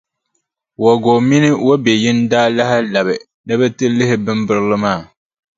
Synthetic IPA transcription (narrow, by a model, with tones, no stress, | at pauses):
wo˨ɡo˨mi˦nɨ˦wo˦be˨jɪ˦ndaː˦la˦hɪ˦la˨bɨ˨ | nɨ˦bɛ˦tɨ˦lɨ˦ɦɪ˦bɨ˦mbɨ˦ɾɨ˦lɨ˦maː˦˨